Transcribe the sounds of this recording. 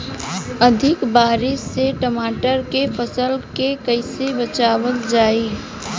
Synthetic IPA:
əd̪ʱɪkbaːɾɪʃseʈəmaːʈəɾkefəsəlkekəɪsebət͡ʃaːʋəkd͡ʒaːi

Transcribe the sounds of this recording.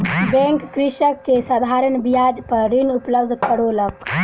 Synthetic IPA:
bɛ̃ŋkːɾiʃəkːesad̪ʱaɾənbijad͡ʒpəɾɾinupləbd̪ʱkəɽolək

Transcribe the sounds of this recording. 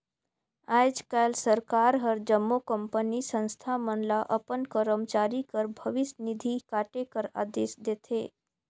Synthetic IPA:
ad͡ʒkalsəɾkaɾɦəɾd͡ʒəmːokəmpənisə̃nst̪ʰamənlaʔəpənkəɾəmt͡ʃaɾikəɾbʱəʋɪsnid̪ʱikaʈekəɾa̰d̪eːsd̪et̪ʰe

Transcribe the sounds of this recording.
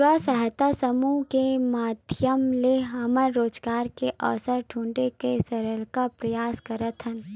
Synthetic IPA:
asɐɦt̪asɐmukemaːd̪ʱjəmleɦɐməlːoːd͡ʒɡaːɾkeʔɔ̰ːsəɾʈʰũːɳɖekesɐɾəlkapɾɐjaːskɐɾət̪ɦən

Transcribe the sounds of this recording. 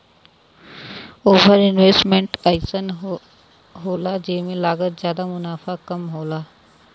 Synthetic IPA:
oːbəɾɪnʋeːsʈmẽɳʈaːɪsən | ɦoːlad͡ʒemẽlaːɡət̪zjaːd̪amʊnaːfakɐmɦoːlaː

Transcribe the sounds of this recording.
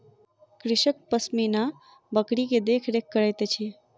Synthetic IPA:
kɾɪʃək̚pəsmina | bəkɽiked̪ekʰɾek̚ʰkːəɭet̪et͡ʃʰie

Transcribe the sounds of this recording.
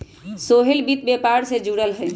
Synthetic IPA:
soɦelbit̪̚bepaɾsed͡ʒuɽəlɦə

